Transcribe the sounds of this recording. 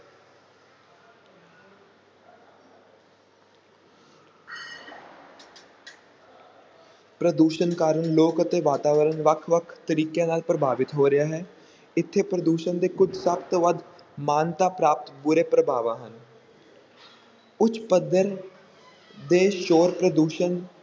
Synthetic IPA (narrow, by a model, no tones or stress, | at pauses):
pɾəd̪uːʃənkaːɾəɳloːkət̪eːʋaːt̪aːʋəɾənʋəkʰʋəkʰt̪əɾiːkãːnaːlpɾəbʱaːʋɪt̪ɦoːɾɪjaːɦɛː | ɪt̪ʰːeːpɾəd̪uːʃənd̪eːkʊd͡ʒsəbt̪oːʋəd̪ | maːnt̪aːpɾaːp̚t̪bʊɾeːpɾəbʱaːʋãːɦən | ʊt͡ʃpəd̪əɾ | d̪eːʃoːɾpɾəd̪uːʃən